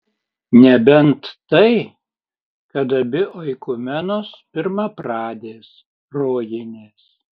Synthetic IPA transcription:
nʲɛbʲɛnt̪ːɐɪ | kɐt̪ɐbʲɪʔoɪkʊmʲɛnoːspʲɪɾmɐpɾɑːd̪ʲeːs | ɾoːjenʲeːs

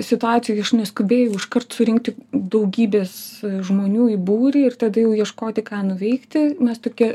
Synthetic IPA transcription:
sʲɪt̪ʊɑːt͡s̪ʲɪjojɐʃnʲɛskʊbʲeːjɛʊɪʃkɐrt̪sʊɾʲɪŋk̚t̪ʲɪd̪ɐʊɡʲiːbʲeːsʒmoːnʲuːibuːɾʲɪɪrt̪ɐd̪ɐjɛʊjiɛʃkoːt̪ʲɪkɑːnʊʋʲɛɪkt̪ʲɪmʲɛst̪oːkʲiɛ

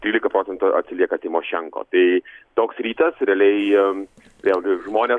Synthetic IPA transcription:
t̪ʲɾʲiːlʲɪkɐpɾoːsʲɛnt̪ʊʔɐ̰t̪ʲsʲɪlʲiɛkɐt̪ʲɪmoʃʲɛŋko̰ːt̪ɐɪt̪oːksɾʲiːt̪ɐsɾʲɛlʲɛɪ | ɛlˠʒmoːnʲeː

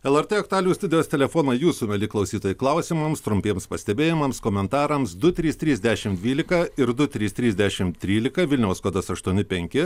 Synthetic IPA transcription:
ɛlˠɛɾt̪ɛːɐkt̪ʊɑlʲuːst̪ʊd̪ʲɪjoːst̪ʲɛlʲɛfoːnɐjuːsuːmʲɛlʲɪklˠɐʊsʲiːt̪oːjɪklˠɐʊsʲimɐmst̪ɾʊmʲpʲeːɛmspɐsʲt̪ʲɛbʲeːjɪmɐmskoːmʲɛnt̪ɑːɾɐmsd̪ʊt̪ʲɾʲiːst̪ʲɾʲiːzʲd̪ʲæʃʲɪmd̪ʲʋʲiːlʲɪkɐɪɾd̪ʊt̪ʲɾʲiːst̪ʲɾʲiːzʲd̪ʲæʃʲɪmt̪ʲɾʲiːlʲɪkɐʋʲɪlʲnʲɛʊskoːd̪ɐsɐʃt̪uɔnʲɪpʲɛŋʲkʲɪ

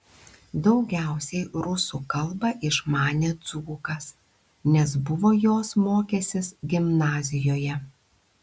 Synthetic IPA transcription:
d̪ɒʊɡʲæˑʊsʲɛɪɾʊsukɐlˠbɐʔɪʃmɑːnʲeːt̪suːkɐs | nʲɛs̬bʊʋoːjoːsmoːkʲesʲɪsɡʲɪmnɑːzʲɪjoːjɛ

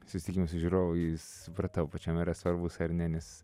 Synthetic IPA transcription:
sʊsʲɪt̪ʲɪkʲiːmɐsʊʒʲuɾoːʋʊjs | ʊpɾɐt̪ɐʊpɐt͡ʃʲɛmiɾɐsʋɐɾbʊsɐɾnʲɛnʲɛs

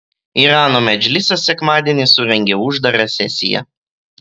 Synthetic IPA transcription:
iːɾɑːnoːmʲɛd͡ʒʲlʲɪsʲɛsʲɛkmɑːd̪ʲiɛnʲɪsʊɾʲɛŋʲɡʲɛʊʒd̪ɐɾʲɐsʲɛsʲɪ̰jɛ̰

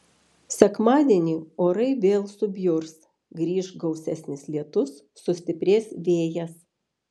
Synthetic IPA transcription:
sʲɛkmɑːd̪ʲiɛnʲiːoːɾɐɪʋʲeːlˠsʊbʲjʊɾs | ɡɾʲiːʃɡɒʊsʲɛsʲnʲɪslʲiɛt̪ʊsːʊsʲt̪ʲɪpʲɾʲeːsʋʲeːjɛs

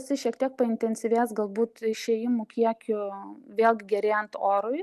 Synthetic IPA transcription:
sʲɪʃʲiɛkt̪ʲiɛk̚pɐɪnʲt̪ʲɛnʲsʲɪʋʲeːsɡɐlˠbuːt̪ɪʃʲeːjɪmʊkʲiɛkʲʊʋʲeːlˠɡʲɪɡʲɛɾʲeːjɛnt̪oːɾʊɪ

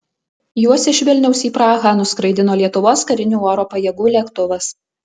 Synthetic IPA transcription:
juɔsɪʃʲʋʲɪlʲnʲɛʊsiːpɾɑːɣɑːnʊskɾɐɪd̪ʲɪnoːlʲiɛt̪ʊʋoːskɐɾʲɪnʲuːoːɾoːpɐjɛɡuːlʲɛkt̪ʊʋɐs

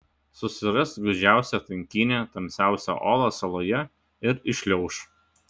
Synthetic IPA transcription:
sʊsʲɪɾɐsɡʊd͡ʒʲæˑʊsʲɛt̪ɐŋʲkʲɪnʲet̪ɐmʲsʲæˑʊsʲo̰ʔɔːlˠosɐlˠoːjɛ | ɪɾɪʃʲlʲɛʊʃ

